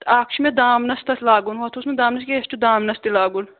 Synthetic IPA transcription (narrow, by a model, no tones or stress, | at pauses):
t̪aːkʰʃʰmed̪aːmnɐst̪ɐslaːɡunhɐt̪ʰosmed̪aːmnɐskʲeest͡ʃud̪aːmnɐst̪ilaːɡun